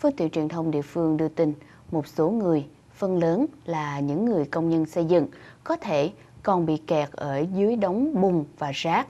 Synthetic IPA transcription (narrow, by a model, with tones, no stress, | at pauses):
fə˨˧˦t̪wḭ˧˨nt͡ɕwi˨˩ənt̪ʰə˧wŋ͡mɗḭ˧˨əfɨ˧əŋɗɨ˧ət̪ï˧ŋ | mo˨˩t̚so˨˦ŋɨ˨˩əj | fə˧nləː˨˦nlaː˨˩ɲɨ̰˧˥ŋːɨ˨˩əjkə˧wŋ͡mɲə˧nsə˧jzɨ̰˧˨ŋkɔ˨˦t̪ʰe˧˩ | kɔ˨˩nɓḭ˧˨kɛ˨˩t̚ʔəː˧˩zɨ˨˦əjɗə˨˦wŋ͡mɓʊ˨˩ŋ͡mvaː˨˩zaː˦˥k̚